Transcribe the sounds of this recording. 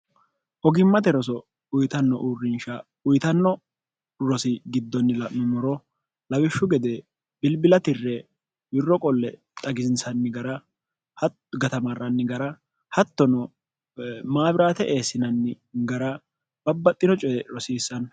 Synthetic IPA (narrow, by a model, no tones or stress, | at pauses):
ʔɔɡɪmːɐt̪ɛɾɔs̬ɔ | ʊjt̪ɐnːɔʔuːrːɪnʃɐ | ʊjt̪ɐnːɔ | ɾɔsɪɡɪd̪ːɔnːɪlɐmɪmɔɾɔ | lɐwɪʃːʊɡɛd̪ɛ | b̥ɪlbɪlɐt̪ɪrːɛ | wɪrːɔkʼɔlːɛ | t̪ʼɐɡɪzɪnsɐnːɪɡɐɾɐ | hɐ | ɡɐt̪ɐmɐrːɐnːɪɡɐɾɐ | hɐt̪ːɔnɔ | maːbɪɾaːt̪ɛʔe̞ːsːɪnɐnːɪ | ɡɐɾɐ | b̥ɐbːɐt̪ʼːɪnɔt͡ʃʼɛɾɔsiːsːɐn